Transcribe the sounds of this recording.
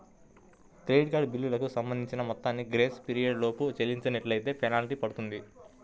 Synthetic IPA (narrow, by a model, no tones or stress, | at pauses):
ʈɾeːjɖkaːɖbilːilɐkusɐmbɐnd̪iɲt͡ʃinɐmɔt̪ːaːnːiɡɾeːspiɾijɐɖlo̞ːput͡ʃelːiɲt͡ʃɐneʈlɐjt̪e̞ːpʰɛnaːliʈipɐɽut̪und̪i